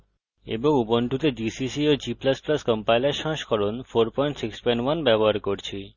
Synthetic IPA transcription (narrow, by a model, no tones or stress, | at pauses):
ḛboŋuboɳʈut̪edisisiod͡ʑiplasplaskɔmpajlaɾʃɔ̃ʃkʰɔɾonfoɾpɔjɳʈsikspɔjnwanbɛboɦaɾkoɾt͡ɕʰi